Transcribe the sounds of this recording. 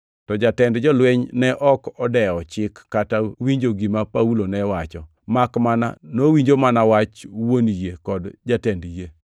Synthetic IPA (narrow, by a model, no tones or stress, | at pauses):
tɔd͡ʒatɛndd͡ʒɔlwɛɲnɛʔɔkɔdɛɔt͡ʃɪkːatawiɲd͡ʒoɡimapaulonɛwat͡ʃɔ | makmana̰nowiɲd͡ʒomanawat͡ʃwonijekɔdd͡ʒatɛndje